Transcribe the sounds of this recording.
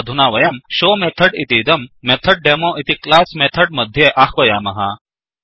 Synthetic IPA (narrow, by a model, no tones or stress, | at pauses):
d̪ʱunaːʋɐjɐmɕoːmet̪ʰəɽit̪iːd̪ɐmːet̪ʰəɖ̚ɖemoʔit̪iklasmet̪ʰəɽ̚mɐd̪ʱjeʔaxʋɐjaːmɐɦa